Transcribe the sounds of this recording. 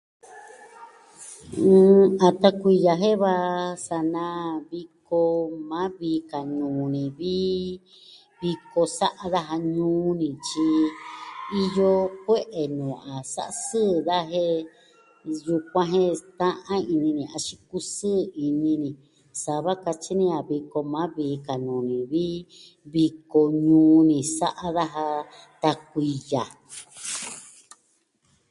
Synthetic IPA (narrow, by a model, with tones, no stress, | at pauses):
ɨ̃ː˧a˨t̪a˧kʷi˧ja˧ɦe˦βa˧sa˧nã˧˦βi˧ko˧mã˦βi˧ka˨nũː˨nĩ˨βi˦ | βi˧ko˧sa˦ʔa˧ða˦ɦa˧ɲũː˦nĩ˨t͡ʃi˧ | i˦jo˦kʷe˦ʔe˨nũː˨a˨sa̰˦ʔa˧sɨː˦ða˦ɦe˦ | ju˧kʷã˧ɦẽ˦t̪ã˦ʔã˦i˧nĩ˧nĩ˨a˧t͡ʃi˦ku˦sɨ˦˨i˧nĩ˧nĩ˧ | sa˧βa˦ka˧t͡ʃi˦nĩ˦˧a˨βi˧ko˧mã˨˦βiː˨˦ka˨nũː˨nĩ˨βi˦ | βi˧ko˧ɲũː˧˦nĩ˨sa˦ʔa˦ða˦ɦa˧t̪a˧k̚ʷi˧ja˨